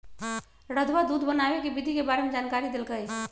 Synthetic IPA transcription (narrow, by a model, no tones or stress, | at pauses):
ɾəd̪ʱʋad̪ud̪ʱbənabekebid̪ʱikebaɾemed͡ʒankaɾid̪elkəj